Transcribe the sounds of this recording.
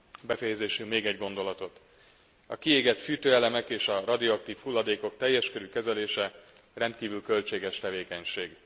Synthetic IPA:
bɛfɛjɛzeːʃymeːɡɛɟɡo̞nd̪o̞lɒt̪ot̪ | ɒ̰kieːɡɛt̪fyːt̪øːɛlɛmɛkeːʃɒrɒd̪ioɒk̚t̪iːfhulːɒd̪eːko̞k̚t̪ɛjːɛʃkøɾykɛzɛleːʃɛ | rɛnt̪̚kiːvylkø̞lt͡ʃeːɡɛʃt̪ɛveːkɛɲʃeːɡ

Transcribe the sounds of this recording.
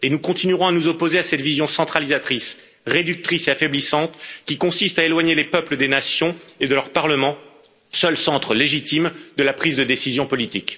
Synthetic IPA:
enukɔ̃t̪inyʁɔ̃anuzɔpozeasɛt̪vizjɔ̃sɑ̃t̪χalizat̪χis | ʁed̪yk̚t̪χiseafɛblisɑ̃t̪kʲikɔ̃sist̪aelwaɲelepœpləd̪enasjɔ̃ed̪əlœʁpaʁləmɑ̃ | sœlsɑ̃t̪χəleʒit̪imd̪əlapχizd̪əd̪esizjɔ̃pɔlit̪ik

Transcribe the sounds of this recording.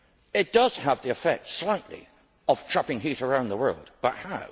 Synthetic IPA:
ɪt̚d̥ʌz̥əvðiɨfɛk̚tslaɪʔlḭ | əv̥tʰɹ̥ʌpɪ̃ŋɦʉˑɾə˞ãʊ̃nðəwɜ̰˞lˠdb̥ʌt̚haʊ

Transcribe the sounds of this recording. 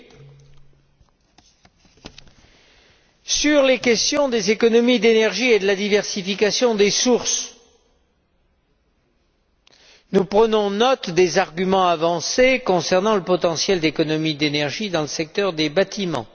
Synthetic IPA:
syʁlekʲɛst̪jɔ̃d̪ezekɔnɔmid̪enɛʁʒied̪əlad̪ivɛʁsifikasjɔ̃d̪esuʁs | nupχənɔ̃nɔt̪d̪ezaʁɡʲymɑ̃avɑ̃sekɔ̃sɛʁnɑ̃ləpɔt̪ɑ̃sjɛld̪ekɔnɔmid̪enɛʁʒid̪ɑ̃ləsɛk̚t̪œʁd̪ebat̪imɑ̰̃

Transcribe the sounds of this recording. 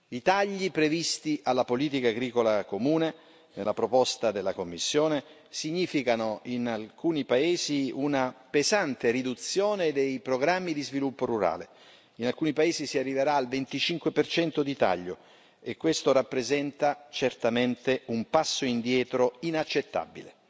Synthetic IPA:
it̪aʎːipɾevist̪iʔalːapoliːt̪̬ikaːɡɾiːkolakomuːne | nḛlːapɾopɔst̪ad̪elːakomːisːjoːne | siɲːiːfikanoinalkuːnipaeːziunapezant̪erid̪ut̪sːjoːned̪ejpɾoɡɾamːid̪izvilupːoɾuɾa̰ːle | inalkuːnipaeːzisiarːiveɾaːlvent̪it͡ʃiŋkwepert͡ʃɛnt̪od̪it̪a̰ʎːo | ekːwest̪oɾapːɾezɛnt̪at͡ʃert̪ament̪eumpasːoind̪jɛːt̪ɾoinat͡ʃːet̪ːa̰bḭlḛ

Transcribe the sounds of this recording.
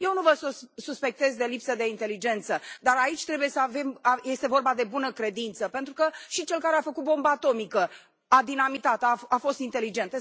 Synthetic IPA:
je̞wnuvəssuspe̞k̚t̪e̞zd̪e̞lipsəd̪e̞int̪e̞lid͡ʒe̞nt̪səd̪aɾait͡ʃʲt̪ɾe̞bujesəave̞maje̞st̪evorbad̪e̞bunəkɾe̞d̪int̪səpe̞nt̪ɾukəʃit͡ʃe̞lkaɾeafəkut̪̚bo̞mbəat̪o̞mikə | ad̪inamit̪at̪əaafo̞st̪int̪elid͡ʒe̞nt̪

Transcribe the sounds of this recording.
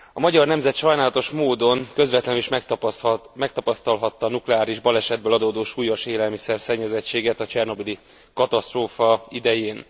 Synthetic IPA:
ɒmɒɟɒrnɛmzɛt̪ʃɒjnaːlɒt̪o̞ʃmoːd̪o̞nkø̞zvɛt̪lɛniʃm | mɛk̚t̪ɒpɒst̪ɒlɦɒt̪ːɒnuklɛaːɾiʒbɒlɛʃɛd̪̚bølɒd̪oːd̪oːʃuːjɒʃeːlɛlmisɛrsɛɲːɛzɛt͡ʃːeːɡɛt̪ɒt͡ʃɛrno̞bili | kɒt̪ɒst̪roːfɒid̪ɛjeːn

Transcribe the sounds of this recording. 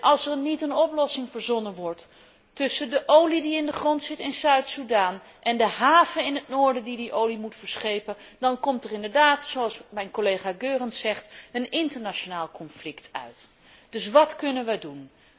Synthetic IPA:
ʔɑlˠsɛɹnitənɔplɔsɪŋvəɹzɔnəʋɔɹtː | ɵsəndəʔowlidiɪndəχrɔntsɪtɪnsœɥtsudaːn | ʔɛndəɦaːvəɪnɦət̚noːɹdədidiʔowlimutfəɹsχejpən | dɑnkɔmtərɪndəɹdaːtsoɑlˠsmɛjnkolejχaːɡøːrənsɛχtənɪntəɹnat͡ʃonaːlˠkɔnflɪktʰœ̰ɥt | d̥ɵsʋɑtkɵnənʋədun

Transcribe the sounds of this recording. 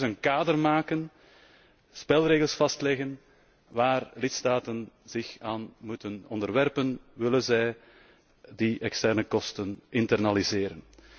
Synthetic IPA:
zənkaːdərmaːkən | spɪlˠɾeːɣəlˠsfɑstlɛɣən | ʋaːrlɪtstaːtənz̥ɪxaːnmutənɔndərʋɛrpənʋɪlənzɛj | diʔɛkstɛrnəkɔstənɪntɛrnalizɪːɾən

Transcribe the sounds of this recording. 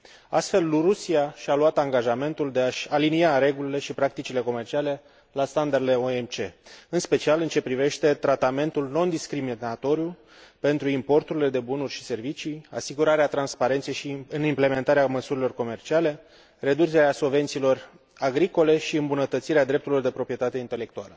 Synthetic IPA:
a̰st̪fe̞luɾusiaʃaluat̪aŋɡaʒame̞nt̪uld̪e̞aʃaliniaɾe̞ɡulile̞ʃipɾak̚t̪it͡ʃile̞ko̞me̞rt͡ʃiale̞ | last̪and̪ard̪ee̞oemt͡ʃe̞ɨnspe̞t͡ʃialɨnt͡ʃe̞pɾive̞ʃt̪e̞t̪ɾat̪ame̞nt̪ulno̞nd̪iskɾiminat̪o̞ɾiju | pe̞nt̪ɾuimpo̞rt̪uɾile̞d̪e̞bunurʲʃi̥se̞rvit͡ʃija̰siɡuɾaɾeat̪ɾanspaɾe̞nt̪sejʃiɨnimple̞me̞nt̪aɾeaməsuɾilo̞rko̞me̞rt͡ʃiale̞ | re̞d̪ut͡ʃeɾeaso̞ve̞nt̪silo̞r | aɡɾiko̞le̞ʃiɨmbunət̪ət̪siɾead̪ɾe̞p̚t̪uɾilo̞rd̪e̞pɾo̞pɾije̞t̪at̪e̞int̪e̞le̞kt̪ualə

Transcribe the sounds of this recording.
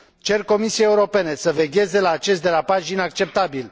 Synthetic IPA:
t͡ʃe̞rko̞misiejeuɾo̞pe̞ne̞səve̞ɡʲe̞ze̞laːt͡ʃe̞s̬t̪d̪e̞lapaʃinak̚t͡ʃe̞p̚t̪abil

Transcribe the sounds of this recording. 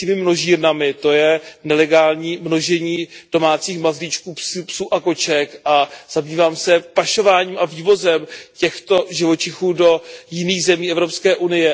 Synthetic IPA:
cɛmɪmno̞ʒiːɾnamɪt̪o̞jɛnɛlɛɡaːlɲiːmno̞ʒɛɲiːd̥o̞maːt͡siːxmazlit͡ʃkuːpspsuːʔako̞t͡ʃɛkʔaz̥abiːvaːmsɛpaʃo̞vaːɲiːmʔaviːvo̞zɛmcɛxt̪o̞ʒɪvo̞t͡ʃɪxuːdo̞jɪniːxzɛmiːʔɛvɾo̞pskɛːʔunɪjɛ

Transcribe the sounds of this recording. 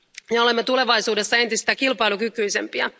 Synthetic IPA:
jeole̞mːet̪ule̞ʋɑjsuːde̞sːɑe̞nt̪ist̪æːkilpɑjlukykyjsḛmpiɑ

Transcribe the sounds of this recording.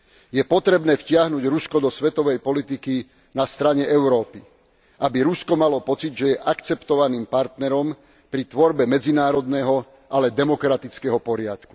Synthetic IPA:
jɛpɔt̪ɾɛbnɛːfcɪaɦnuːɟɾuskɔd̪ɔsʋɛt̪ɔʋɛjpɔlit̪iki | nast̪ɾaɲɛɛʊɾɔːpi | ʔabiɾuskɔmalɔpɔt͡sid̪ʒɛjɛʔakt͡sɛpt̪ɔʋaniːmpaɾt̪nɛɾɔm | pɾit̪ʋɔɾbɛmɛd͡zinaːɾɔd̪nɛɦɔ | ʔalɛd̪ɛmɔkɾat̪it͡skɛɦɔpɔɾɪa̰t̪ku̥

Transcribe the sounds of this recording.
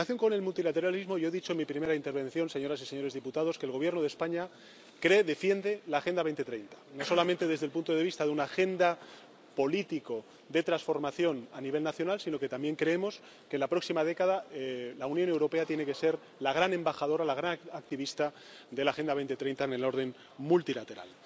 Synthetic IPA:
aθjo̞ŋko̞ne̞lmult̪ilat̪e̞ɾalizmo̞ʝo̞e̞ðit͡ʃo̞enmipɾime̞ɾaint̪e̞ɾβe̞nθjo̞nse̞ɲo̞ɾasiseɲo̞ɾe̞zðiput̪að̞o̞skeːlɣo̞β̞je̞ɾnoð̞e̞spaɲa | kɾeðe̞fje̞nd̪e̞laːxe̞nd̪aβe̞jnt̪et̪ɾe̞jnt̪ḁnoso̞lament̪e̞ðe̞zðelpunt̪o̞ð̞eist̪aðeunaxe̞nd̪a | po̞lit̪iko̞ | d̪e̞t̪ɾasfo̞ɾmaθjo̞naniβ̞e̞lnaθjonalsino̞ket̪ambje̞ŋkɾe̞emo̞s | kenlapɾo̞ksimaðe̞kaðalaunjonewɾo̞pe̞at̪je̞neke̞se̞ɾ | laɣ̞ɾanẽ̞mbaxað̞o̞ɾalaɣɾanak̚t̪iβist̪a | d̪e̞laxe̞nd̪aβe̞jnt̪et̪ɾe̞jnt̪aene̞lo̞ɾðe̞n | mult̪ilat̪e̞ɾa̰l

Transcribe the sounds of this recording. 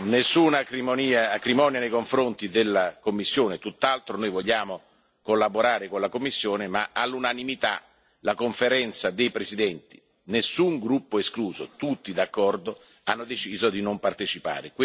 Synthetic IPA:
nesːuːnakɾimoniːaːkɾimɔːnjanejkoɱfɾont̪id̪elːakomːisːjoːnet̪ut̪ːalt̪ɾonoːjvoʎːaːmo | kolːaboɾaːɾekonlakomːisːjoːnemaʔalːunanimit̪a̰ | lakoɱfeɾɛnt̪sad̪ejpɾezid̪ɛnt̪i̥ | nesːuŋɡɾupːoeskluːzo̰t̪ut̪ːid̪akːɔrd̪o | anːod̪et͡ʃiːzod̪inompart̪et͡ʃipa̰ːɾek

